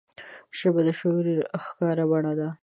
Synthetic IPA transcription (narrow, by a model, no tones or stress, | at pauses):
ʃəbad̪əʃoɾiɾxkɑɾabaɽad̪a